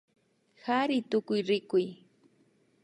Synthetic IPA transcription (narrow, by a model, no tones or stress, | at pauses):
xaɾɪt̪ʊkʊjɾɪkʊj